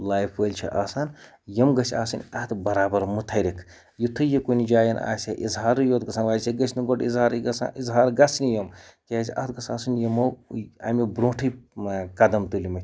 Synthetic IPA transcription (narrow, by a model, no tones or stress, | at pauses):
laːjfʰəlʲt͡ʃʰḭʔaːsaːn | jɐmɡɐsʲaːsɨnʲɐt̪bɐɾaːbɐɾmut̪ʰɐɾikʰ | jit̪ʰɨjikunʲid͡ʒaːjɐna̰ːsʲaʔizɦaːɾɨjoːt̪ɡɐsʰaːnʋaːsʲeɡɐsʲniɡoʈizɦaːɾɡɐsa̰ʔizɦaːɾɡɐsnijɐmkeasʲiɐ̰ht̪̚ɡɐsaːsɨnʲjɐmɐwa̰mʲibɾõːʈʰɨjkɐd̪ɐmt̪ulimɐt̪ʲ